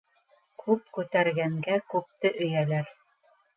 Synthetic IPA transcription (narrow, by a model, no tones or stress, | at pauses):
kʰʉp̚kʉt̪æɾɡæŋɡækʉp̚t̪ɘʔɵ̆jælæɾ